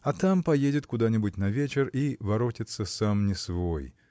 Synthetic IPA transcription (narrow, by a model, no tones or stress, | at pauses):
ɐt̪ampɐjedʲɪt̪kʊd̪anʲɪbʊtʲnɐvʲet͡ɕɪrivɐɾotʲɪt̪səsamnʲɪsvoj